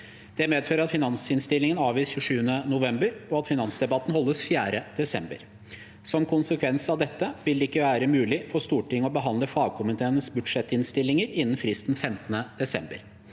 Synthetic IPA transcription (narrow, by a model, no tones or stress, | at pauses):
d̪̥ɛmeːd̪føːɾəɾɑt̪fɪnɑnsɪnst̪ɪlːɪŋənɑːʋiːsçʉʂʉːənənʊʋɛmbəɾɔɑt̪fɪnɑnsd̪ɛbɑt̪ːn̩hɔlːəsfjæːɾəd̪̥ɛsɛmbə̰ɾ | sɔmkʰʊnsəkʰʋɛnsɑʋd̪ɛt̪ːəʋɪld̪ɛɪkːəʋæːɾəmʉːlɪfɔʂt̪uːʈɪŋːəɔbəɦɑnd̪ləfɑːɡ̚kʰʊmənt̪ʰeːnəsbʉd̪ʂɛt̪ːɪnst̪ɪlːɪŋəɾɪnːn̩fɾɪst̪n̩fɛmt̪ənəd̪ɛsɛ̰mbə̰ɾ